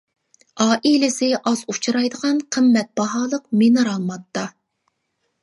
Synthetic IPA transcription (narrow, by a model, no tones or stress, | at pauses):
ɑːʔilɪsɪʔɑzut͡ʃʰuɾɑjd̪əʁɑnqʰəmːɛt̪̚b̥ɑɦɑːlˠəqmenɨɾɑlˠmɑt̪ʰːɑ